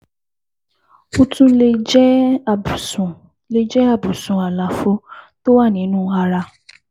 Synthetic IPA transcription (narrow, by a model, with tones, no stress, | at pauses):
u˧tũ˧le˧d͡ʒɛ˦˨ | sũ˨ | le˧d͡ʒɛ˦a˦˨bu˨sũ˨a˨la˨˦fo˧to˦wa˦˨nĩ˨˦nũː˦a˧ɾa˧